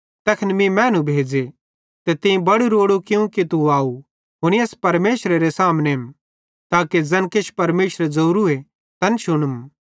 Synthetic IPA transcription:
t̪ɛkʰnmĩmɛ̃ːnũbʱeːd͡ʒe | t̪et̪ẽĩbɐɽuɾoːɽukɪũkit̪uaːu | ɦʊñiɐːspɐɾmeːsɾeɾesaːmnem | t̪aːked͡zɐnket͡ʃʰpɐɾmeːʃɾed͡zɐɾue | t̪ɐnʃʊɽ̃əm

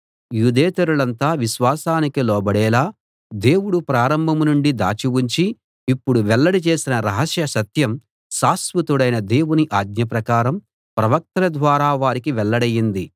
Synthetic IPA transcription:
juːd̪ɛːt̪ɐɾuɭɐnt̪aːʋiʃʋaːsaːnikilɔːbɐɽɛːlaː | d̪e̞ːwuɽupɾaːɾɐmbʱɐmunuɳɖid̪a̰ːt͡ʃiwuɲt͡ʃiː | pːuɽuʋɛlːɐɽit͡ʃe̞ːsinɐɾɐɦɐsjɐsɐt̪jɐm | ʃaːsʋut̪uɽɐjnɐd̪e̞ːwuniʔaːɡ̪ɲɐp̬ɾɐkaːɾɐm | pɾɐʋɐk̚t̪ɐlɐd̪ʋaːɾaːʋaːɾikiʋɛɭːɐɽɐjːind̪i

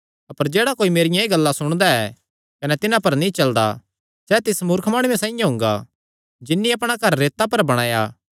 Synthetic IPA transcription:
ɐpəɾd͡ʒeːɽakoːimeːɾɪjãeːɡɐlːasʊɽ̃d̪aɛ | kɐnɛt̪ɪnãpɐɾnĩt͡ʃɐld̪a̰ | sɛːt̪ɪsmʊːɾkʰmaːɽ̃ujẽsãːĩjãɦʊ̃ŋɡa̰ | d͡ʒɪnːiɐpɽ̃akɐɾːeːt̪apɐɾbɐɽ̃aːja̰

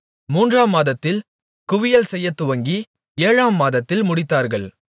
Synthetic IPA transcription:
muːndraːmːaːðɐt̪ːɪl | kʊʋɪjɐlsɛjːɐt̪ːʊʋɐŋɡi | eːɻaːmːaːðɐt̪ːɪlmʊɽɪt̪ːaːɾɣɐɭ

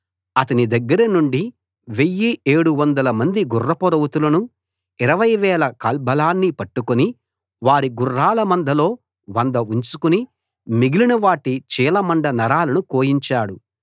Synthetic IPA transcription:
ɐt̪ɐnid̪ɐɡːɐɾɐnuɳɖi | ʋe̞jːie̞ːɽuʋɐnd̪ɐlɐmɐnd̪iɡurːɐpɔɾɐwut̪ulɐnu | iɾɐʋɐjʋɛːlɐkɐlbɐlaːnːipɐʈːukuni | ʋaːɾiɡurːaːlɐmɐnd̪ʱɐlo̞ː | ʋɐnd̪ɐuɲt͡ʃukuni | miɡilinɐʋaːʈit͡ʃiːlɐmɐɳɖɐnɐɾaːlɐnukoːjiɲt͡ʃaːɽu

